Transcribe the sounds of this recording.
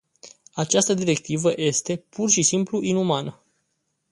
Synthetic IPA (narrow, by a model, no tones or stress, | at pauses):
at͡ʃast̪əd̪iɾe̞k̚t̪ivəje̞st̪e̞pʰurʃisimpluʔinumanə